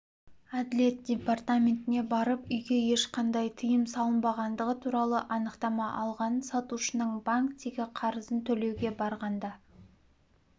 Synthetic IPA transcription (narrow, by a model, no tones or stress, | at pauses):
ad̪ɪle̞t̪̚dʲe̞part̪amʲe̞nt̪ɪne̞bɑɾəpʏjɡʲe̞je̞ʃqɑnd̪ɑjt̪ʰəjəmsɑlˠənbɑʁɑnd̪əʁət̪ʰuɾɑlˠəʔɑnəqt̪ɑmɑʔɑlˠʁɑnənsɑt̪uʃənəɴbaŋkt̪eɡʲɪqʰɑɾəzənt̪ʰɵle̞wɡʲe̞bɑɾʁɑnd̪ɑ